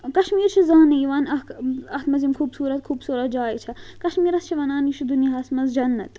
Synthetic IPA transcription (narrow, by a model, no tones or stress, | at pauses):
kɐʃmiːɾt͡ʃʰizãːnɐjiʋaːnɐɐht̪mɐzimkxʰuːbsuːɾɐt̪kʰuːbsuːɾɐt̪̚d͡ʒaːit͡ʃʰɐkɐʃmiːɾɐst͡ʃʰiʋɐnaːnjiʃʰud̪unijɐɦɐsmɐzd͡ʒɐnːɐt̪